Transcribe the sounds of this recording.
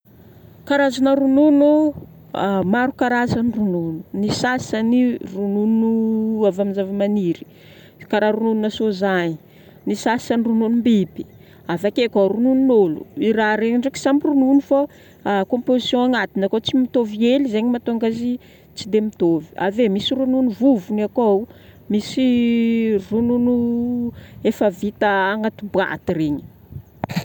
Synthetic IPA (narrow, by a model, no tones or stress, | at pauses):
kaɾazanəɾununu | maɾukaɾazanirununu̥nisasanirununuavaminzavamaniɾi̥ | kaɾaɾunulunasozaɲi | nisḁsanirununumbibi̥ | avakekaɾunununolṵiɾaɾeɲiɳɖ͡ʐeki̥sampirununifa | kõmpozisjõaŋat̪inakot͡simit̪ovielizeɲimat̪oaŋɡazi | t͡sid̪emit̪ovi̥a̰vemisirununivuvunakowmisi | rununu | efəvit̪əːŋat̪ubwa̰t̪ireɲi̥